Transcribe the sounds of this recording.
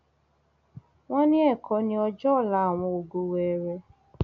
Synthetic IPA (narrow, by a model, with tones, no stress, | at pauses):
wɔ̃˦nɪ̃˦ɛ˦˨kʰɔ˨˦nĩ˦ɔ˦d͡ʒɔ˦˨la˨w̃ɔ̃˨o˨ɡo˨we˨ɾɛ˧˦